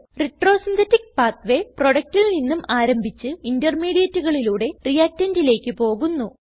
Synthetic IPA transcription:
riʈro̞ːsint̪ʰɐtːik̚paːt̪ʋe̞pro̞ɽɐk̚tininːumaːɾɐmbʱit͡ɕːɨindɐrmiːɽijɐtːuɣɐɭiluːɽe̞rijaːk̚tːɐndile̞ːkːɨpo̞ːɣunːu

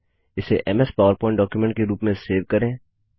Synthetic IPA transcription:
ɪseʔɛmɛspaːʋəɾpɔ̃ːɪ̃ɳʈɖɔːkjumɛ̃ɳʈ̚keɾuːpmẽseːʋkɐɾẽː

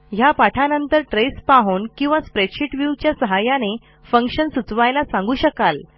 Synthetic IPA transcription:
japaʈʰanənt̪əɾʈɾespaɦoːnkĩw̃ʋaspɾeɕiʈʋjuʋt͡ɕjasəɦajane | fəŋkɕənsut͡sʋajlasãŋɡuːɕəkal

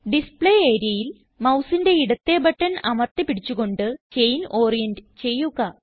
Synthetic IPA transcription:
ɖispɭeːeːɾijɐjil | mɐwsinde̞iɽɐt̪ːe̞bɐʈːɐnɐmɐrt̪ːipiɽit͡ɕːuɣo̞ɳɖɨt͡ɕe̞jno̞ːrijɐndɨt͡ɕe̞jːuɣɐ

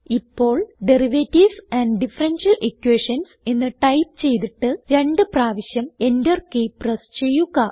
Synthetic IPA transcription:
ipːo̞ːɭɖe̞riʋetːisɐnɖɖifɐrenʂɐlʔikːuweːʂɐnsenːɨʈɐjp̚t͡ɕe̞jt̪iʈːɨɾe̞ɳɖɨpraːʋiɕjɐme̞ndɐrkeːprɐst͡ɕe̞jːuɣɐ

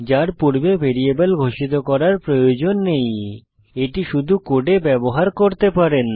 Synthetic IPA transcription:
d͡ʑaɾpuɾbebʱeɾiebolɡʱoʃit̪okɔɾaɾpɾojod͡ʑonːej | eʈiʃud̪ʱukoʈebɛboɦaɾkoɾt̪epaɾen

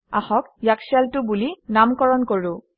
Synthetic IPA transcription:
axɔkjaksialtʊbulinamkɔɹɔnkoɹʊ̃

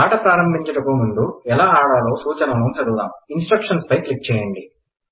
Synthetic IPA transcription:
aːʈɐpɾaːɾɐmbʱiɲt͡ʃɐʈɐkumund̪uɛlaːaːɽaːlo̞ːsuːt͡ʃɐnɐmuːmt͡ʃɐɽula̰ːminsʈɾɐkʂɐnspɐjklik̚t͡ʃɛːjɐɳɖi

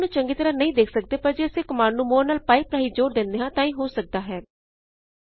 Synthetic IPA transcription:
nũːt͡ʃəŋɡiːt̪əɾaːnəĩːd̪eːkʰsək̚d̪eːpəɾd͡ʒeːəsẽːkəmaːɾnũːmoːɾnaːlpaːipɾaːiːd͡ʒoːɾd̪ɪ̃nd̪eːɦãːt̪ãːĩːɦoːsək̚d̪aːɦɛː

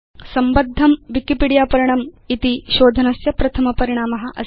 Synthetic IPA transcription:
sɐmbɐd̪ʱːɐmʋikipiːɽijaːpɐɾiɳ̃ɐmit̪iʃoːd̪ʱɐnɐsjɐpɾɐt̪ʰɐmɐpɐɾiɳ̃aːmɐɦɐ̆ʔɐ̰

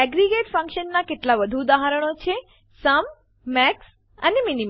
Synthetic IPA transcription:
ɛɡɾiɡeʈfə̃ŋkʃənːakeʈlaʋəd̪ʱud̪aɦaɾəɽ̃ot͡ʃʰe | səm | mɛks | ə̰neminim

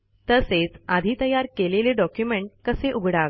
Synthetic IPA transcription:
t̪əset͡sad̪ʱiːt̪əjaɾkeleleɖɔkjumeɳʈ̚kəseʔuɡʱɽaɡ

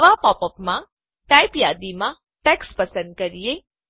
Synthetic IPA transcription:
ʋapɔpəpmã | ʈajpjad̪imã | ʈɛkspəsə̃nd̪̚kəɾije

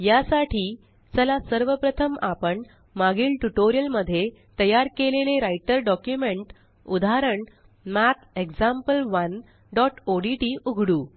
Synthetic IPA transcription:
jasaʈʰiː | t͡səlasəɾʋəpɾət̪ʰəmapəɳ | maɡiːlʈuʈoɾijəlməd̪ʱːje | t̪əjaɾkeleleɾajʈəɾɖɔkjumeɳʈ | ud̪ʱaɾəɳ | mæt̪ekd͡zampəlʋən | ɖɔʈoɖiʈiːʔuɡʱɽuː

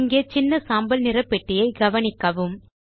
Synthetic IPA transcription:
ŋɡeːt͡ʃɪnːɐsaːmbɐlnɪrɐpːɛʈːɪjɐɪɡɐʋɐɳɪkːɐʋɯm

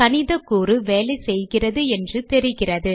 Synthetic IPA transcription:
kɐnɪðɐkːuːrɯʋeːlɐɪsɛjɣɪrɐðɯɛndrɯt̪ɛɾɪɣɪrɐðɯ

